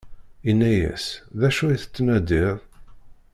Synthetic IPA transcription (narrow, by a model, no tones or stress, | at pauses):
inːæjæ̰sðæʃuiθə̥t͡sːmæd̪iðˤ